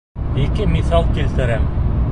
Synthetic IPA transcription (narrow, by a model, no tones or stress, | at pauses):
ikɘmiθɑlˠkilt̪ɘ̆ɾæm